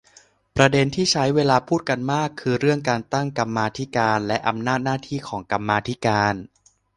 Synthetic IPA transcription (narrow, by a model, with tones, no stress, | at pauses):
pɾa˧de˧nt̪ʰiː˥˩t͡ɕʰa˦˥jweː˧laː˧pʰuː˥˩t̪̚ka˧nmaː˥˩kʰːɯː˧ɾɯ˥˩əŋkaː˧nt̪a˥˩ŋka˧mːaː˧t̪ʰi˦˥kaː˧nlɛ˦˥ʔa˧mnaː˥˩t̪̚naː˥˩t̪ʰiː˥˩kʰɔː˩˦ŋka˧mːaː˧t̪ʰi˦˥kaaː˧n